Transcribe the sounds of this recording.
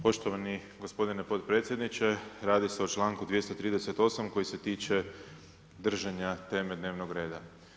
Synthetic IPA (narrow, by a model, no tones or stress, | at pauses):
po̞ʃt̪oʋaniɡospo̞d̪ine̞po̞t̪pɾe̞ːt̪sʲje̞d̪nit͡ʃe̞ɾaːd̪ise̞ot͡ʃlˠaːŋkud̪ʋje̞st̪ot̪ɾiːd̪ese̞t̪o̞ːsamko̞jise̞t̪iːt͡ʃe̞ | d̪r̩ʒaɲat̪e̞ːme̞d̪neːʋnoɡɾe̞ːd̪a